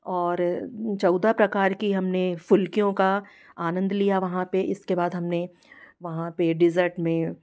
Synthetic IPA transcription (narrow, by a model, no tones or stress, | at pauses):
ɔːɾt͡ʃɔːd̪apɾɐkaːɾkiɦɐmnefʊlkijõka | aːnə̃nd̪lijaʋɐɦãpeʔɪskebaːd̪ɦɐmne | ʋɐɦãpeɖɪzəɾʈmẽ